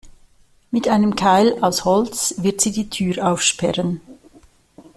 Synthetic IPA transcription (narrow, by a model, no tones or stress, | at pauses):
mɪtʔaɪnəmkʰaɪlaʊshɔlt͡svɪɐtz̥iːdiːtʰyːʁaʊfʃpɛ̰ʁən